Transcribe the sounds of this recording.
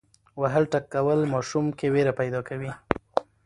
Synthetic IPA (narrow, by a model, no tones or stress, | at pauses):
waɦəlʈakːawəlmɑʃumkeweɾapajd̪ɑkawi